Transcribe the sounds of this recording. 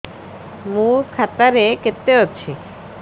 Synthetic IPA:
muɾkʰat̪aɾeket̪ːeɦotːɕʰiɕ

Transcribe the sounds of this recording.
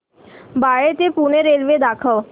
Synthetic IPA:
baːɭet̪epuːneɾeːlʋed̪aːkʰəʋ

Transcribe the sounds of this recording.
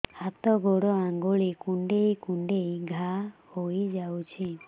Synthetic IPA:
hat̪ɔɡoɽɔaŋɡoɭikuɳɖejkuɳɖejɡʱahojd͡ʒawt͡ʃʰi

